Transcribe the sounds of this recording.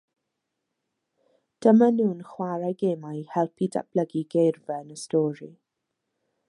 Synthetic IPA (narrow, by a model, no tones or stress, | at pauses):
d̥əmanuːnχwaɾajɡeːmajhɛlˠpʰida̰b̥ləɡiɡejrvɛnəstɔːɹi